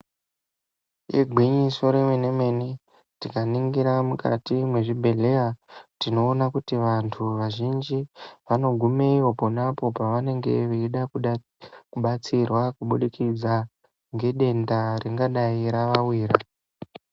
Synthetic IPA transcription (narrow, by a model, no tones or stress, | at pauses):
jḛɡʱwiɲiso̞ɾemene̞me̞ni | tikaniŋɡiɾamuka̰timwe̞ʐibʱe̞ɮe̞jatino̞ːnakutiʋantʰuʋaʒind͡ʒiʋano̞ɡʱume̞iʋo̞po̞napo̞paʋane̞ŋɡe̞̰ʋeiɗa | kuɓat͡sirwakuɓuɗikid͡za | ŋɡe̞ɗe̞ndareŋɡaɗaiɾaʋawiːɾa